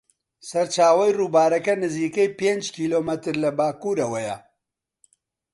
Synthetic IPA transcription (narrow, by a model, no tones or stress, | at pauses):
sɐɾt͡ʃaːwɐjruːbaːɾɐkɐnɨziːkejpeːnd͡ʒkʰiːloːmɐt̪ɨɾlɐbaːkuːɾɐwɐjɐ̰